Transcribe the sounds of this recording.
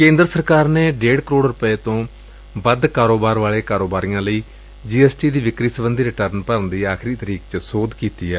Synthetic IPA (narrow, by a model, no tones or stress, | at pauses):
kẽːnd̪ɾəsəɾkaːɾneːɖeːɽkəɾoːɽɾʊpeːt̪õː | bəd̪kaːɾoːbaːɾʋaːɭeːkaːɾoːbaːɾijãːləiː | d͡ʒiːɛːsʈiːd̪iːʋɪkɾiːsəbənd̪iːɾɪʈəɾnpəɾnd̪iːaːxʰɾiːt̪əɾiːkt͡ʃsoːd̪kiːt̪iːɛː